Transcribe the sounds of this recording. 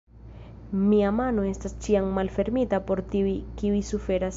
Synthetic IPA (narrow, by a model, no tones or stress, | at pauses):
miamano̞e̞stast͡ʃiammalfe̞ɾmitapo̞ɾtiuikiujsufe̞ɾas